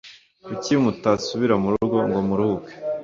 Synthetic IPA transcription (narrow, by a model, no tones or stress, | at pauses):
ucimutasuβiɾamuɾuɾɡo̞ŋɡo̞muɾuhuke̥